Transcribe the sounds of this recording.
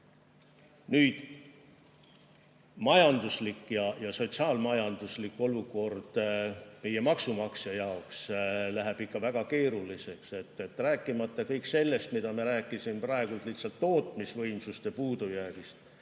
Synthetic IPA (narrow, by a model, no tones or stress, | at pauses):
nyːd̪̥ | mɑjɑnd̪̥uslikːˑjɑjɑso̞t̪sɑːlmɑjɑnd̪̥uslikːˑo̞luko̞rd̪̥me̞je̞mɑksumɑksɑjɑokslæɦeb̥ikːɑvæɡ̥ɑke̞ːɾulise̞kse̞t̪ːˑe̞t̪ːræːkːˑimɑt̪ːˑɑkɤjkːse̞lːe̞st̪mid̪̥ɑmiɾæːkːˑisimprɑe̞ɡ̥ult̪ˑliht̪sɑlt̪ːo̞ːt̪ˑmisvɤjmsust̪epuːd̪̥ujæːɡ̥ist̪